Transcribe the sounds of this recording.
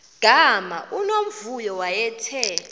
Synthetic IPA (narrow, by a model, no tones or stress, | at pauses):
ɡ̥ʱamaʔunom̩vujɔwajɛtʰɛ